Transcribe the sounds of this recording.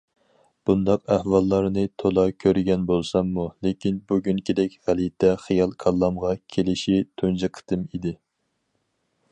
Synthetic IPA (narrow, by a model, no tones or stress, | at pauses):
b̥und̪ɑqæhwɑlˠːɑɾnɨt̪ʰolˠɑkʲʰøɾɪɡʲɛnbolˠsɑmːulekʲinbuɡʲynkʲʰid̪ɛkʲʁælit̪ʰɛχijɑlˠkʰɑlˠːɑmʁɑkʲʰelɪʃit̪ʰund͡ʒɨqʰə̥t̪ʰɨmid̪ɪ